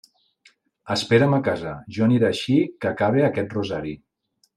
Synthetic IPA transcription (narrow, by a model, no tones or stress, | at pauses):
əspeɾəməkazəʒɔniɾeːʃikəkaβ̞eəkɛt̪̚ruzaɾi